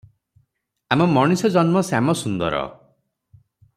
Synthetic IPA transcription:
amɔmɔɽ̃isɔd͡ʒɔnmɔsamɔsund̪ɔɾɔ̰

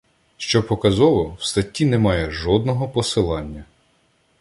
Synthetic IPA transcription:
ʃt͡ʃɔpɔkɐzɔʋɔwst̪ɐtʲːinɛmɑjɛʒɔd̪̚nɔɦɔpɔsɪlˠɑnʲːɐ

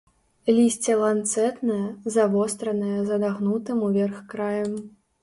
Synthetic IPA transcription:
lʲisʲt͡sʲɛlˠant̪sɛt̪nɨjɐzavɔst̪ɾɐnɨjɐzɐd̪aɣnut̪ɨmuvʲɛrxkɾajɐm

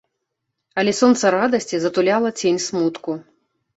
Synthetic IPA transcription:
ɐlʲɛsɔnt̪sɐɾad̪ɐsʲt͡sʲizɐt̪ulʲalˠɐt͡sʲenʲsmut̪ku

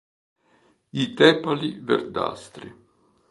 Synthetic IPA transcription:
it̪ɛːpalivḛrd̪a̰st̪ɾi

